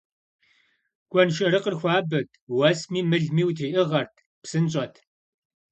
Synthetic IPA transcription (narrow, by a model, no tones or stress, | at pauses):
ɡ̥ʷʼɔnʃɐɾɨqərxʷɑːbɐtʰ | wɐsmiːmɨɮmiːwtʰiːʔɨʁɐrtʰ | psɨnt͡ʃʼɐtʰ